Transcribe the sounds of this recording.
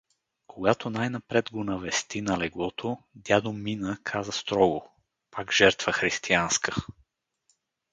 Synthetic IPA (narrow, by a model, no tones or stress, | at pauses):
kʰoɡat̪onajnɐpɾɛd̪ɡonɐvɛst̪inɐlɛɡlˠɔt̪ʰod̪ʲjad̪ominəkʰazəst̪ɾɔɡo | paɡʒ̥ɛɾt̪v̥əxɾist̪ianskə̥